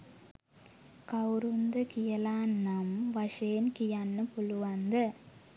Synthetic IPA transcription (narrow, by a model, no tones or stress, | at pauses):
kɐwɾund̪ɐkɪjɐlaːnːɐmʋɐʂeːnkijɐnːɯpʊluʋɐnd̪ɐ